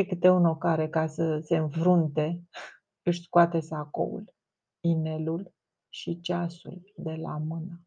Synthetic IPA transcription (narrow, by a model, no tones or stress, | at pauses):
ekɨt̪euno̞kaɾe̞kasəse̞ɨnfɾunt̪e̞ | ɨʃskuat̪e̞sako̞̰ṵl | ine̞lul | ʃit͡ʃasṵld̪e̞la̰mɨna